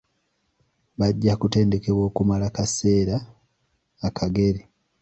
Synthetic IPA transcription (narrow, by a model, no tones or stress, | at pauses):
βaɟːakute̞ːnde̞ke̞βwo̞ːkumalakase̞ːɾaː | kʰaɡe̞ɾi